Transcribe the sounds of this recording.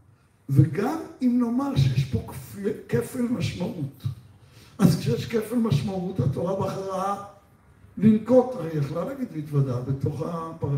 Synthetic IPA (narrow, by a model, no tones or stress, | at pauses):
veɡamimno̞maʁʃejeʃpo̞kfekefelmaʃmaʔut̪ | ʔazkʃejeʃkefelmaʃmaut̪at̪o̞ʁabeaχaʁaa | linko̞taʁejeχlalaɡid̪mit̪vad̪abet̪o̞χapa